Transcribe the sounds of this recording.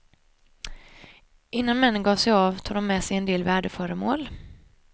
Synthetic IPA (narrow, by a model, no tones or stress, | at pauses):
ʔɪnːanmɛnːənɡɑːsɛjɑːvt̪ʰuːɡd̪ɔmːɛːsɛjɛnd̪eːlvæːɖəfœːɾəmoːl